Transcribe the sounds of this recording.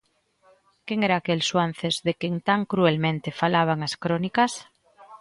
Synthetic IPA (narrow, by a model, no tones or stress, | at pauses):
keŋeɾaːkelswan̟θezðekeŋt̪aŋkɾuelmẽnt̪efalaβ̞aŋaskɾonikas